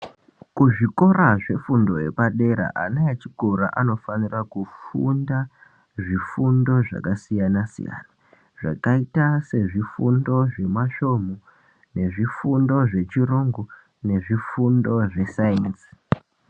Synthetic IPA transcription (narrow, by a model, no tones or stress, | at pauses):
kuʐiko̞ɾaʐe̞fundo̞je̞̰paɗe̞ɾa̰ʔanaat͡ʃiɡʱoɾaʔano̞fanirakufunda | ʐifundo̞ʐa̰kasijanasḭja̰na | ʐ̥a̰kaitase̞ʐifundo̞ʐe̞maʃo̞mo | ne̞ʐifundo̞ʐe̞t͡ʃiroŋɡo | ne̞ʐifundo̞ʐe̞sainsi̥